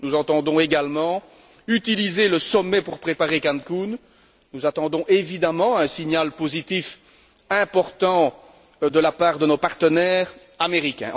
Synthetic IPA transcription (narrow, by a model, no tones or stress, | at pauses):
nuzɑ̃t̪ɑ̃d̪ɔ̃eɡalmɑ̃ | yt̪ilizeləsɔmɛpuʁpχepaʁekankun | nuzat̪ɑ̃d̪ɔ̃ʔevid̪amɑ̃ɛ̃siɲalpozit̪if | ɛ̃pɔʁt̪ɑ̃ | d̪əlapaːʁd̪ənopaʁt̪ənɛːʁ | ameʁikʲɛ̰̃